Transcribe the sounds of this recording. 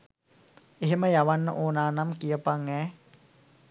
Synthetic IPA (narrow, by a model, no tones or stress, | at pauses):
eɦeməjaʋanːə̰ʔoːnaːnamkijəpaŋɛː